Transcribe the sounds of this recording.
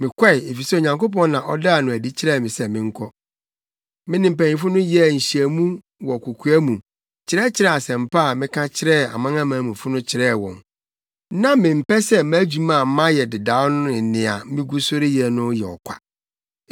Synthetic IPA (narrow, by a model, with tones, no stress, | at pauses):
mɪ̃˨kʷa˦ɪ˨e˨fi˨sɛ˦o˨ɲã˨ŋko˦p̬ɔ̃˦n˦nã˨ʔɔ˦da˦a˨nʊ̃˨æ˨di˦t͡ɕʰɪ˦ɾɛ˦˨mɪ̃˨sɛ˦mɪ̃˨ŋ̩˦kʰɔ˦ | mɪ̃˦nɪ̃˨m̩˨pæ̃˨nĩ˨fʊ˦nʊ̃˦jɛ˦˨ɲ̩˨ɕi˨æ˨mũ˦ | wɔ˨kʰo˨kʰu˨˦æ˦mũ˨ | t͡ɕʰɪ˨˦ɾɛ˦t͡ɕʰɪ˦ɾɛ˦˨a˨sɛ̃˨m̩˨pʰa˦a˨mɪ̃˦kʰã˦t͡ɕʰɪ˦ɾɛ˦˨a̰˨mã˦ŋã˦mã˨˦mũ˨fʊ˦nʊ̃˦t͡ɕʰɪ˨ɾɛː˦˨wɔ̰̃˨n | nã˦mɪ̃˨m̩˨pɛ˦sɛ˦mæ˦d͡ʑᶣu˦mã˨˦mã˦jɛ˨dɪ˨da˨˦nʊ̃˦ɪ˨nɪ̃˨a˨˦mɪ̃˦ɡu˦so˦ɾɪ˦jɛ˨nʊ̃˦jɛ˨ɔ̰˨kʷʰa̰˨